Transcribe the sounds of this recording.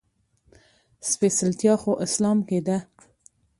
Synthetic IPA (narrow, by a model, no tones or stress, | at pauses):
spesɪlt̪jɑxoʔɪslɑmked̪a